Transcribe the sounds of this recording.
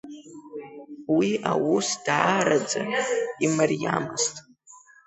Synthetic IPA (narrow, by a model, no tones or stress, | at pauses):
wiʔawusd̥aːɾad͡zaimarjamɨstʼ